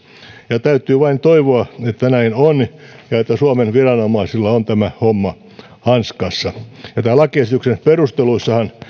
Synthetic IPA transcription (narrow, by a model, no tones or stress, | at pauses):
jɑt̪æyt̪ːˑyːʋɑint̪oiʋoɑet̪ːænæinonjɑet̪ːæsuɑmenʋirɑnomɑisilːɑont̪æmæhomːɑ | hɑnskɑsːɑjɑt̪æːlːˑækiesit̪yksenperust̪eluisːɑhɑn